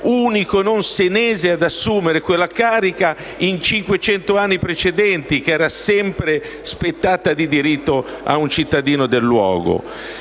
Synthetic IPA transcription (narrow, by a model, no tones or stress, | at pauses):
uːnikononsenɛːzead̪asːuːmeɾekwelːakaːɾika | int͡ʃiŋkwet͡ʃɛnt̪oanːipɾet͡ʃed̪ɛnt̪ik̟ɛːɾasɛmpɾe | spet̪ːaːt̪ad̪id̪iɾit̪ːoa̰unt͡ʃit̪ːad̪iːnod̪elːwɔ̰ːɡo̰